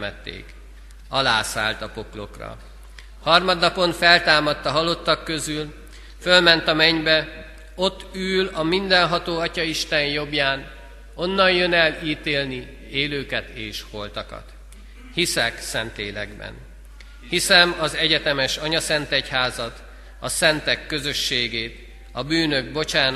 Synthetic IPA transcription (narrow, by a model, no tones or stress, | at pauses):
mɛt̪ːḛːk | ɒlaːsa̰ːlt̪ɒpo̞klo̞krɒ̰ | hɒrmɒd̪nɒpo̞nfɛlt̪aːmɒt̪ːɒɦɒlo̞t̪ːɒkːøzyl | følmɛnt̪ɒmɛɲbɛ | o̞t̪ːyːlɒmind̪ɛnɦɒt̪oːɒcɒiʃt̪ɛnjo̞bjaːn | o̞nːɒnjø̞nɛliːt̪eːlni | eːløːkɛt̪eːʃho̞lt̪ɒkɒ̰t̪ | hisɛksɛnt̪leːlɛ̰ɡbɛ̰n | hisɛmɒzɛɟɛt̪ɛmɛʃɒɲɒsɛnt̪ɛchaːzɒt̪ | ɒsɛnt̪ɛkːø̞zø̞ʃːeːɡeːt̪ | ɒbyːnø̞ɡ̚bo̞t͡ʃaːn